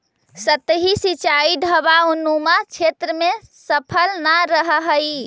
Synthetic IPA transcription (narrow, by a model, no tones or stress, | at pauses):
sət̪ɦisit͡ʃaiɖʱəbaunumat͡ʃʰet̪ɾəmesəpʰəlnaɾəɦəɦəj